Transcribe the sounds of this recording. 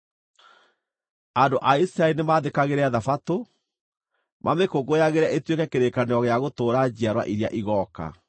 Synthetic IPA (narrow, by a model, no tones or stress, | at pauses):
andoʔaisɾaeinemaːðekaɣeɾɛaðafato | mʔamekoɡoaɣeɾɛʔetwekɛkeɾekaneɔɣeaɣotoːɾad͡ʑiaɾwa̰ʔiɾja̰ʔiɣɔːka̰